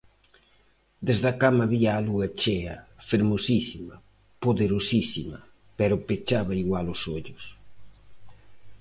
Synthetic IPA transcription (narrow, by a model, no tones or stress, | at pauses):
d̪ezðɐkamɐβiaːluɐt͡ʃeɐ̰feɾmosisimɐ | poðeɾosisimɐ̰ | pɛɾʊpet͡ʃaβɐiɣwalʊsoʎʊs